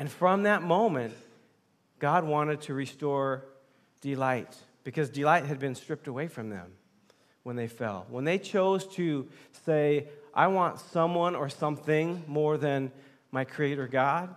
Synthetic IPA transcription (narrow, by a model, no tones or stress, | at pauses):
ɨ̃nfɹʌ̃mðɨt̚mõʊ̃mɨ̃nʔ | ɡ̥ɑd̚wɑ̃ɾ̃ɨd̚tʰɨɹistɔɹ | d̥ɨlaɪt̚ | b̥ɨkʰʌzdɨlaɪt̚ɦɨd̚bɨ̃nstɹ̥ɪp̚təweɪfɹʌ̃mðɨ̰̃m | wə̃nðeɪfɛ̰lˠwə̃nðeɪt͡ʃʰoʊz̥tʰɨseɪʔa̰ɪwɑ̃ntsʌ̃mwʌ̃nə˞sʌ̃mθɪ̃ŋmɔɹðɨ̃n | maɪkʰɹ̥ieɪɾə˞ɡɑd̥̚